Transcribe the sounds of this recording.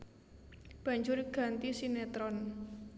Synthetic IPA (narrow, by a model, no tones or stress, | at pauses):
b̥ä̤ɲd͡ʒʊɾiɡ̥a̤nt̪isinɛt̪ɾɔn